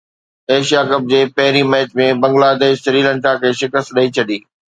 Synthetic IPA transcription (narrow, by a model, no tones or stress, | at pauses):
eːʃijaːkɐb̚d͡ʑeːpɐɦɪɾimɛːt͡ɕmẽbɐ̃ŋɡlaːd̪eːʃsɐɾiːlə̃nʈakʰeːʃɪkəst̪ɗɐit͡ɕʰɐɗiː